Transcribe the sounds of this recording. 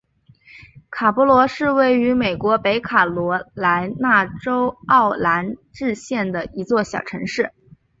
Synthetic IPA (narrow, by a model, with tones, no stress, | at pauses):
kʰa˨˩pɔ˧˥lwɔ˧˥ʂɻ̩˥˧we˥˩ɪy˧˥me˨˩ɪkwɔ˧˥pe˧˥ɪkʰa˨˩lwɔ˧˥la˧˥ɪna˥˩ʈ͡ʂo˥ʊɑ˥˩ʊla˧˥nʈ͡ʂɻ̩˥˧ɕjɛ˥˩nd̪ə˩i˧˥t͡swɔ˥˩ɕjɑ˨˩ʊʈ͡ʂʰɤ˧˥ŋʂɻ̩˥˩